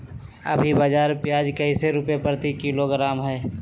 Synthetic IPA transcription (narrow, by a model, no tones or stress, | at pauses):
ɐ̰bʱibəd͡ʒaːɾpjaːd͡ʒkɐiseɾʊpepəɾt̪ikiloɡɾaːmɦɛː